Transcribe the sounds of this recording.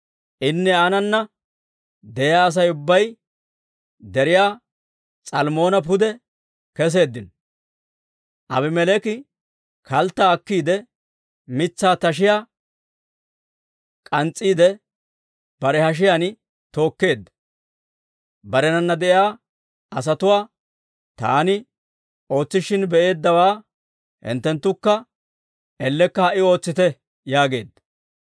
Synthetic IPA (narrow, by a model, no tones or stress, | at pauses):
ʔɪnːɛanɐnːɐ | d̪ɛjaːɐs̬ɐjʊbːɐj | d̪ɛɾɪjaː | t͡sʼɐlmo̞ːnɐp̬ʊd̪ɛ | kɛs̬e̞ːd̪ːɪn | ʔɐ̰bɪmɛlɛkɪ | kɐlt̪ːaːkːiːd̪ɛ | mɪt͡sːaːt̪ɐʃ̬ɪjaː | kʼɐnt͡sʼːiːd̪ɛ | b̥ɐɾɛhɐʃ̬ɪjan | t̪o̞ːkːe̞ːd̪ːɐ | bɐɾɛnɐnːɐd̪ɛʔɪjaː | ʔɐs̬ɐt̪ʊwaː | t̪a̰ːnɪ | o̞ːt͡sːɪʃɪnbɛʔe̞ːd̪ːɐwaː | hɪ̰nt̪ːɛnt̪ːʊkːɐ | ɛlːɛkːɐhɐʔɪo̞ːt͡sːɪt̪ɛ | jaːɡe̞ːd̪ːɐ